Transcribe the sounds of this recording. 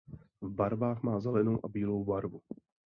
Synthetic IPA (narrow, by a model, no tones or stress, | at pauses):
vbaɾvaːxmaːzɛlɛnowʔabiːlowbaɾvu